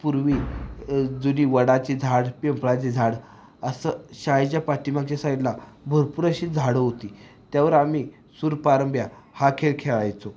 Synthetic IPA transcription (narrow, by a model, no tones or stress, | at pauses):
puɾʋiː | d͡zuniːʋəɽat͡ɕiːd͡zʱaɽpempɭat͡ɕiːd͡zʱaɽ | əsəɕajd͡ʑjapaʈimãkt͡ɕasajt̪labʱəɾpuɾəɕiːd͡zʱaɽəɦot̪iː | t̪jaʋəɾami | suɾpaɾəmbjahakʰelkʰeɭajt͡so